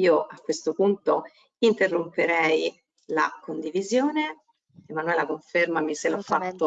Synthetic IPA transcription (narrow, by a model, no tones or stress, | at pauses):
iːoʔakːwest̪opunt̪o | int̪erːompeɾɛj | la̰kond̪ivizjoːne | emanuɛlakoɱfermamiselɔfːat̪ːo